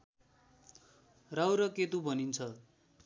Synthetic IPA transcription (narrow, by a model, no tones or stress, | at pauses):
rawɾʌket̪ubʱʌnint͡sʰʌ